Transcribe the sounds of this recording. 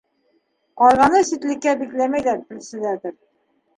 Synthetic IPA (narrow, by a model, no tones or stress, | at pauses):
qɑɾʁɑnɤsit̪lɘ̆kːæbiklæmæjlæɾp̪ɘ̆lsɘ̆læd̪ɘɾ